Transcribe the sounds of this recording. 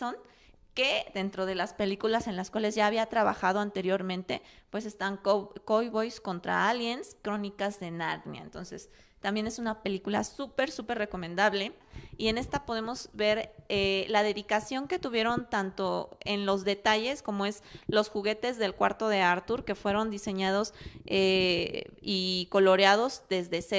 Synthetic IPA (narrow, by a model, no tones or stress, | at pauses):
on | ke̞ðe̞nt̪ɾo̞ð̞e̞laspe̞likulase̞nlaskwale̞zʝaːβiat̪ɾaβa̰xað̞o̞ant̪e̞ɾjo̞ɾmẽnt̪e̞pwe̞s̬e̞st̪aŋkokojβojsko̞nt̪ɾa̰aljenskɾo̞nikazðe̞naɾnja̰ent̪o̞̰nse̞̰s | t̪ambje̞ne̞sunape̞likula̰supe̞ɾsupe̞ɾre̞ko̞mẽ̞nd̪aβle̞ | ie̞ne̞st̪apo̞ð̞e̞mo̞zβe̞ɾelaðe̞ðikasjo̞ŋke̞t̪uβje̞ɾo̞nt̪ant̪o̞e̞nlo̞zðe̞t̪aʝe̞sko̞mo̞e̞zlo̞sxuɣe̞t̪e̞zðe̞lkwa̰ɾt̪o̞ð̞e̞aɾt̪uɾke̞fwe̞ɾo̞nd̪ise̞ɲað̞o̞se | iko̞lo̞ɾeað̞o̞zðe̞zðe̞se